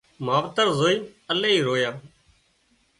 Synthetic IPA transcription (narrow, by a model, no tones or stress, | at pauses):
maːʋt̪əɾzoːiːəleːiːɾoːjaː